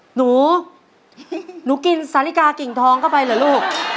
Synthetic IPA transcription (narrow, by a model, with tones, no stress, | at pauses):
nuː˩˦ | nuː˩˦ki˧nsaː˨˦˥li˦˥˩kaː˧ki˨˩ŋt̪ʰɔː˧ŋkʰa˥˩wpa˧jlɯː˨˩˦luː˥˩k̚